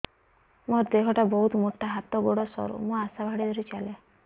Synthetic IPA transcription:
moɾd̪ekʰɔʈabɔɦut̪moʈʰːaɦat̪ɔɡoɽɔsɔ̰ɾṵmũasabʱaɽid̪ʱɔɾit͡ʃale

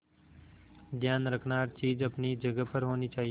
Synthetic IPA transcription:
d̪ʱjaːnɾəkʰnaːɾt͡ʃiːd͡ʒəpniːd͡ʒəɡəpəɾɦoːniːt͡ʃaːɦi

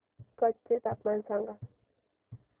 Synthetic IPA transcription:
kʌt͡ʃːet̪apmansaŋɡa

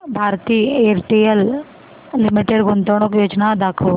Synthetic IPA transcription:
bʱaːɾt̪iːeɾʈiəl | limiʈeɖɡont̪oɽ̃okjoːd͡ʒnad̪akʰo

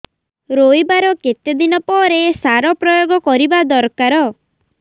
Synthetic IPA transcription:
ɾojbaɾɔket̪ed̪inɔpɔɾesaɾɔpɾɔjoɡɔkɔɾibad̪ɔɾkaɾɔ

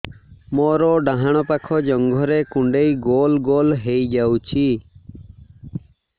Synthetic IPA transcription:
mɔɾɔɖaɦaɽ̃ɔpakʰɔd͡ʒɔŋɡʱɔɾekuɳɖejɡolɡolɦejd͡ʒawt͡ʃʰi

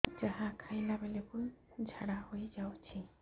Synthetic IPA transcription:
d͡ʒaɦãkʰajnabelekud͡ʒʱaɽahojd͡ʒawt͡ʃʰi

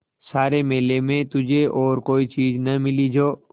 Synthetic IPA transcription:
saːɾemeːlemẽt̪ʊd͡ʒʱeʔɔːɾkoːit͡ʃiːd͡ʒnɐmɪlid͡ʒoː

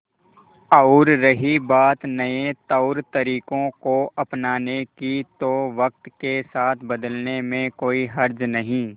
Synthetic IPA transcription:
ɐːʊɾːɐɦibaːt̪nɐẽt̪ɐʊɾt̪ɐɾiːkõkoɐpnaːnekit̪oʋɐk̚t̪kesaːt̪ʰbɐd̪əlnemẽkoːiɦɐɾd͡ʒnɐɦĩː

